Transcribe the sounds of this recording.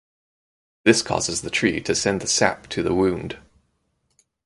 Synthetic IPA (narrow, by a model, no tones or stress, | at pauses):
ðɪskʰɒ̰zɪzðətʰɹ̥itʰɨsɛ̃nðəsæ̰p̚tʰɨðəwʉ̃nd̥